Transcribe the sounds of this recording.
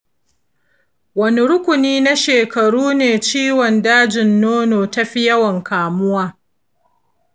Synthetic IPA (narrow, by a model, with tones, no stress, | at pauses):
wɐ˦ni˦ɽʊ˦kʷʊ˨niː˦na˦ʃeː˨kɐ˨ɽuː˦neː˨t͡ʃiː˦wɔ˨ndaː˦d͡ʒɪ˨nːoː˦noː˨tɐ˦ɸi˦jɐ˦wɐ˨ŋkaː˨mʊ˦waː˦